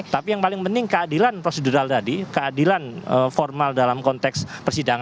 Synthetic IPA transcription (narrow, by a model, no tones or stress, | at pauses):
t̪apijaŋpalɪŋpənt̪ɪŋkəadilanpɾoseduɾaldadikəadilanəfɔrmaldalamkɔnt̪ɛkspərsidaŋa